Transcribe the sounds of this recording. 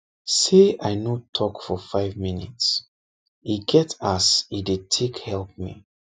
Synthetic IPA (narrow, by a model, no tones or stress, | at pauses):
seaɪnotʰɔkfɔfaɪvminḭts | iɡɛtasidetʰekhɛlp̚mḭ